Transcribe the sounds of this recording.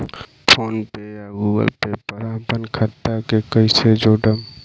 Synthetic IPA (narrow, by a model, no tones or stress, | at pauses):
pʰoːnpejaɡuɡə̰lpepəɾapənkʰət̪ːakekəɪsed͡ʒoɖəm